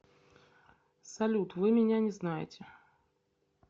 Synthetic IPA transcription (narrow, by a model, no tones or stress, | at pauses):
salʲut̪vɨmʲinʲanʲɛznajḛt͡sʲɛ